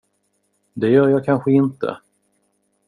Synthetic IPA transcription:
d̪ɛjœːɾjɑːkʰanɧəɪnt̪ə̰

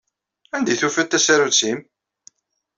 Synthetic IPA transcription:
ænd̪ijθufæt̪ːæsæɾut͡sːim

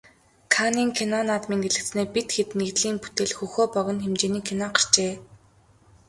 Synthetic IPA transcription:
kʰaniːŋkʰenɔnaːt̪miːŋɡeɮɘ̆kt͡sneːpit̪xet̪neɣt̪ɮiːŋpu̥t̪eːɮxuxoːpœɣʲɞ̆nxemt͡ɕeːniːkʰːenaɢar̥t͡ɕeː

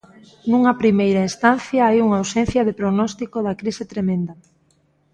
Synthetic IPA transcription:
nuŋɐpɾimejɾaest̪an̟θjɐajuŋawsẽn̟θjɐðepɾoɣnɔst̪ikoðɐkɾisɪt̪ɾemẽnd̪ɐ

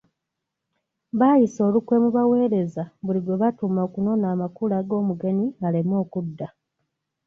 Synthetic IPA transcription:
βaːjiso̞ːlukwe̞ːmuβawe̞ːɾe̞zaβuliɡwe̞βatumaokuno̞naːmakulaɡo̞ːmuɡe̞niŋalemo̞ːkudːa

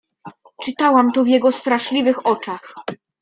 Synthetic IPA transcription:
t͡ʂɘt̪awamt̪ɔvjɛɡɔst̪ɾaʂlʲivɘxɔt͡ʂax

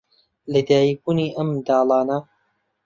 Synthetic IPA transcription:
lɐd̪aːjibuːniːʔɐmd̪aːlˠɑːnɐ

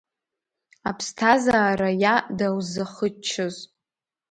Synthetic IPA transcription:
apʰstʰazaːɾajadawzaχət͡ʃʰɨz

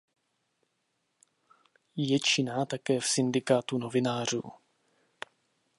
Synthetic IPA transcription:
jɛt͡ʃɪnaːt̪akɛːfsɪndɪkaːt̪uno̞vɪnaːr̝ṵː

